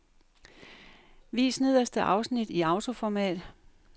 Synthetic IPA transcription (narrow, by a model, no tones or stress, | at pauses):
ʋḭːsniðˠɐsd̥əʔɑ̈ʊsnid̥iɑ̈ʊt͡sʰo̝fɒmɛ̰ːd̥